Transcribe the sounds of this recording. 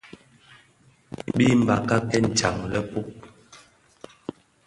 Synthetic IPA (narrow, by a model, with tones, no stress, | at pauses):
ɓi˦m̩˨ba˨ka˦kɛ˦n̩˨t͡ʃa˨ŋlɛ˦pu˦k̚